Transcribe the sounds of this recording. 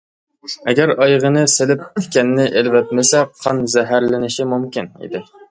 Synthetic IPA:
ɛɡʲæɾɑjʁənɨselɪp̚tʰkʲɛnːɪʔelvɛt̪̚mɪsɛqʰɑnzɛɦæɾlɪnɪʃɪmumkʲinḭd̪ɪ

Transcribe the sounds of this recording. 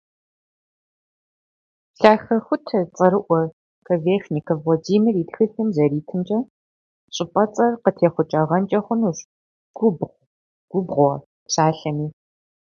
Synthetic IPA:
ɬaːxɐxʷʊtʰɐt͡sʼɐɾɨʔʷɔ | kʰɐveːxnikʰɐvlɐdiːmiritxɨɬɨmzɐɾiːtʰɨnt͡ʃʼɐ | ɕʼɪpʼɐt͡sʼɐrqətʰeːχʷʊt͡ʃʼɐʁɐnt͡ʃʼɐχʷʊnuɕ | ɡ̥ʷʊbʁʷ | ɡ̥ʷʊbʁʷɔ | ɕaːɬɐmiː

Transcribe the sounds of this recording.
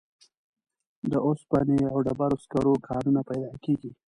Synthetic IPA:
d̪əospaneawɖabaɾoskaɾokʰɑnunapajd̪ɑkeɡi

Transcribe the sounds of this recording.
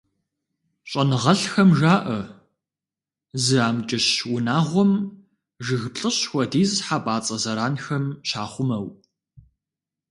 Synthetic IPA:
ɕʼɐnɨʁɐɬxɐmʒaːʔɐ | zɨaːmt͡ʃʼɐɕwʊnaːʁʷɔm | ʒɨɣpɬʼɨɕxʷɔdiːzħapʼaːt͡sʼɐzɐɾaːnxɐmɕaːχʷʊmɐw

